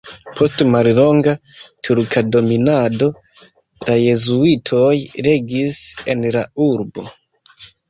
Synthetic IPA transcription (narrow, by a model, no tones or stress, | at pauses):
pʰo̞stmallo̞ŋɡatʰuɾkʰado̞minado̞ | laje̞zuitʰo̞jɾe̞ɡise̞nlauɾbo̞̰